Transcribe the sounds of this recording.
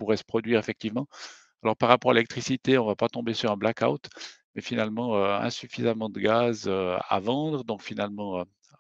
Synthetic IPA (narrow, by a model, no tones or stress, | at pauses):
puʁɛsə̥pχɔd̪ɥiːʁɛfɛk̚t̪ivmɑ̃ | alɔʁpaʁːapɔʁalelɛk̚t̪χisit̪eɔ̃vapat̪ɔ̃besyʁɛ̃blaka̰wt̪mɛfinalmɑ̃øɛ̰̃syfizamɑ̃d̪əɡazøa̰vɑ̃d̪ʁəd̪ɔ̃kfinalmɑ̃ø